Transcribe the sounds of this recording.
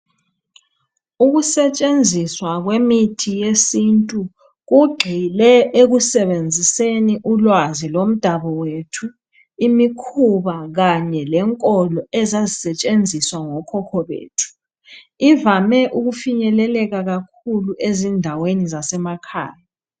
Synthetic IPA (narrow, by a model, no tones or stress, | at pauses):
uɣusɛt͡ʃʼend͡zʱiswaɣwemitʰijesintʼu | ɣuɡ͡ǃʱilɛeɣusɛβend͡zʱiseniʔulwazilom̩d̥ʱaβɔwetʰu | imikʰuβaɣaɲɛlɛŋkʼɔlɔɛzazisɛt͡ʃʼend͡zʱiswaŋɔkʰɔkʰɔβḛːtʰu̥ | ivamɛʔuɣufiɲɛlɛlɛɣaɣak̚ʰuluʔezindʱawenizasɛmakʰa̰ːja